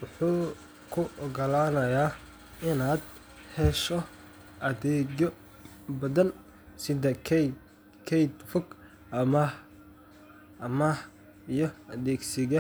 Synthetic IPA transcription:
wʊħuː | kʰʊʔɔɡɐlaːnɐjaː | ɪnaːd̪ | hɛʃɔ | ʔɐðɛːɔ | bɐðɐn | sɪðɐ | kʰɛjd̪fʊɡ | ʔɐmɐ | ʔmɐh | ijɞɐðɛːɡsɪɣɐ

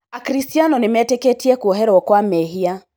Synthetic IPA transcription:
akɾistianɔnimɛtɛkɛtiakuɔɦɛɾɛɔkɔamɛɦia

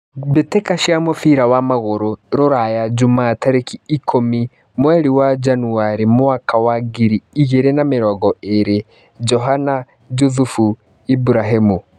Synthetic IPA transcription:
βetekaʃamofiɾawamaɣoɾoɾoɾajad͡ʒumaːtaɾekiːkʰomi | mwɛɾiwad͡ʒanuaɾimoakawaɡiɾiːɣeɾenameɾɔɣɔeɾe | d͡ʒɔɦana | d͡ʒuθufu | ibuɾaɦimu

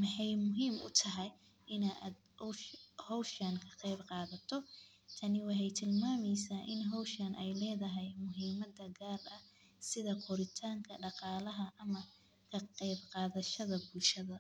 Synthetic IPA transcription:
mɑħɑjmʊɦiːmʊ̰t̪ʰɐɦɛj | ʔɪnaːd̪ | hɔwʃɐnkʰɐ̥qɛjbqɑːðɐt̪ʰɔ | t̪ʰɐnɪwɑħɑjt̪ʰɪlmaːmɛjsaːʔɪnɦɔwʃɐnʔɛjlɛːðɐɦɛjmʊɦiːmɐd̪ɐɡaːlɐ | sɪðɐqʰɔɾɪt̪ʰaːŋkʰɐɖɑqɑːlɐɦɐʔɐmɐ | kʰɐqɛjbqɑːðɐʃɐðɐbʊlʃɐðɐ

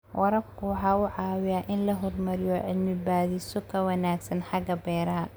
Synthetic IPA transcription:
wʔɑɾɐbkʰʊwɑħɑːʊʕɑːwɪjaːʔɪnlɐɦɔrmɐɾɪjɔʕɪlmɪbaːðisɔkʰɐwɑnaːɡsɐnħɑɡɐbɛːɾɐɦɐ

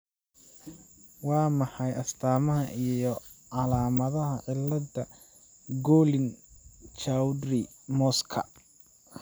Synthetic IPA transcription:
wɑːmɑħɑjɐst̪ʰaːmɐɦɐʔijɔ | ʕɑlaːmɐðɐɦɐʕɪlːɐdɐ | ɡɔːlɪnt͡ʃawd̪rɪ | mɔːskʰɐ̰

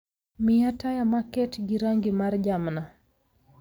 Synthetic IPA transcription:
miatajamakɛtɡiɾaŋɡimaɾd͡ʒamna

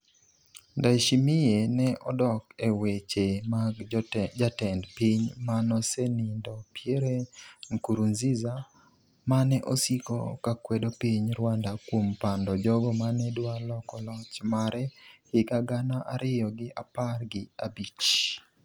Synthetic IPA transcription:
ndaʃimɪjenɛʔɔdɔkewet͡ʃemaɡd͡ʒatɛndpiɲmanɔsenindɔpjeɾeŋkuɾunziza | manɛʔosikɔ̰kakwedopiɲɾwandakwompandɔd͡ʒɔɡɔmanɛdwalɔkɔlɔt͡ʃmaɾɛhɪkaɡanaʔaɾɪjɔɡɪʔaparɡɪabit͡ʃ

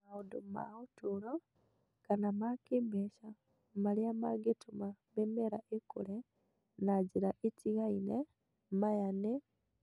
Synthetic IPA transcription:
audoma̰utuɾo | kanamakiːmbeʃa | maljamaɡetumamemeɾaʔekṵle | naɟiɾaʔitiɣaine | majane

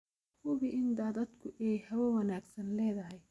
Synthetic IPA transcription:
hʊβɪʔɪnd̪aːðɐd̪kʰʊʔɛjhɐwɔwɐnaːɡsɐnlɛːðɐɦɛj

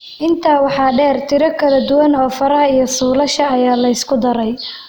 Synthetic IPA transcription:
ʔɪnt̪ʰaːwɑħɑːɖɛːrt̪ʰɪɾɐkʰɐlɐd̪ʊwɐnɔːfɐɾɐhɐijɞsuːlɐʃɐːjaːlɐɪskʰʊd̪ɐɾɛj

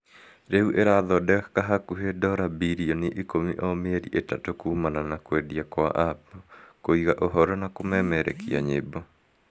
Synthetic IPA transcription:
ɾeuʔeɾaðɔdɛkaɦakuɦedɔɾabiɾiɔniʔikomiʔɔmeeɾḭʔetatokumananakwediakwa̰ʔapɔkoiɣaʔɔɦɔɾɔnakomɛmɛɾɛ̰kiaɲebɔ

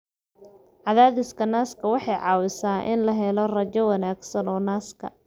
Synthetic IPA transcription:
ʕɑðaːðɪskʰɐnaːskʰɐwɑħɑjʕɑːwɪsaːʔɪ̰nlɐɦɛlɔrɐt͡ʃɛwɑnaːɡsɐnɔːnaːskʰɐ̰

